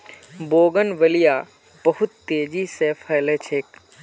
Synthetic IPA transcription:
boːɡənʋəlija | bɐɦʊt̪ːeːd͡ʒisefʰɐːlet͡ʃʰeːk̚

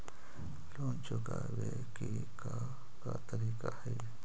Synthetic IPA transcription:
lont͡ʃoka | be | ki | ka | kat̪aɾikahe

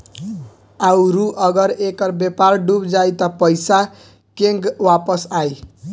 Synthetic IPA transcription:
awɾuʔʌɡʌɾekʌɾbeparɖubd͡zajt̪ʌpʌjsa | keŋɡwapʌsaj

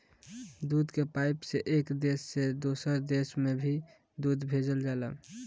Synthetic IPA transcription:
d̪ud̪kepaɪpseʔekd̪esːed̪osəɾd̪esmebʱi | d̪ud̪bʱed͡ʒəld͡ʒalə̰

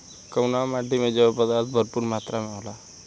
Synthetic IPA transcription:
kəwnamaɖʱimed͡ʑepəd̪asbʱəɾpuɾmat̪ɾameawla

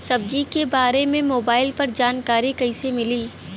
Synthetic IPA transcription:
sɐbd͡ʒikebaːɾemẽmoːbaːɪlpɐɾd͡ʒaːnkaːɾikɐɪsemɪliː

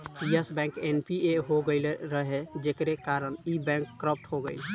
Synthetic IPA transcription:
piesbɛ̃ŋkenpieɦoɡəɪlɾəɦed͡ʒekɾekaɾənibɛ̃ŋkːɾəp̚ʰʈɦoɡə̰ɪl

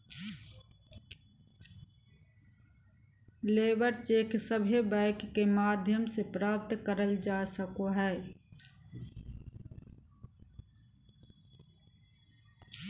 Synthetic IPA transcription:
leːbəɾt͡ʃeːksəbʱebɛɪkːemaːd̪ʱjəmsepɾaːp̚t̪kəɾəld͡ʒaːsəkoɦɛː

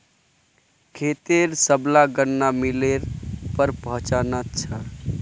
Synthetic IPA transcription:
kʰet̪eɾsəblaɡənːamileɾpəɾpəɦə̃t͡ʃanat͡ʃʰə

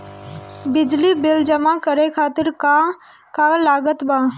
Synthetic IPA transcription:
bɪd͡ʒlibɪld͡ʒəmakəɾekʰaːt̪ɪɾka | kalaːɡət̪baː

